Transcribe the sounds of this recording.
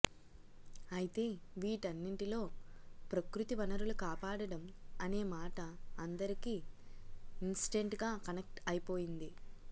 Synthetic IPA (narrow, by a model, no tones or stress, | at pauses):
ɐjit̪e̞ːʋiːʈɐnːiɳʈilo̞ːpɾɐkɾut̪iʋɐnɐɾulukaːpaːɽɐɽɐmɐne̞ːmaːʈɐɐnd̪ɐɾikiː | insi̥ʈe̞ɳʈɡaːkɐnek̚ʈɐjpo̞ːjind̪i